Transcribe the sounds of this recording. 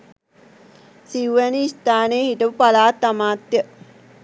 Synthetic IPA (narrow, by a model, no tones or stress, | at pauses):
siuʋæniist̪aːnəjəhiʈ̪əʋəpalaːt̪ːamaːt̪jə